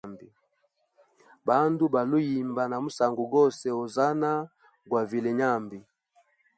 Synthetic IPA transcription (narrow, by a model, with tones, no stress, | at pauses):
mbi˨ | ba˦ndu˦ba˨lu˦ji˨mba˨na˨mu˦sa˨ŋɡu˨ɡɔ˦sɛ˨o˨za˦na˦ | ɡwa˨vi˨lɛ˨ɲa˦˨mbi˨